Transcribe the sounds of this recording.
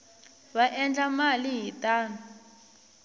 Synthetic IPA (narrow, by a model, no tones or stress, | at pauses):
βaʔɛnd͡ɮamaliɦitʼaːna